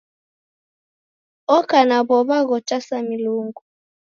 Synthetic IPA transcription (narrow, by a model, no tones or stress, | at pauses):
ɔkanaβɔβaɣɔtasamiluŋɡu